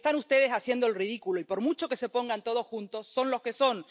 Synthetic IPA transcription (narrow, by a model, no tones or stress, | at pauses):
et̪anust̪e̞ð̞e̞sasje̞nd̪oelrið̞ikuloipo̞ɾmut͡ʃo̞kese̞po̞ŋɡant̪o̞ð̞osxunt̪o̞sːo̞nlo̞ske̞so̞n